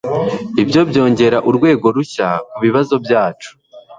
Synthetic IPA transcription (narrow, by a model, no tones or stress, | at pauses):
ibjo̞bjo̞ːɲɟe̞ɾaʔuɾɡwe̞ːɡo̞ɾuçakuβiβazo̞bjaːt͡ʃu̥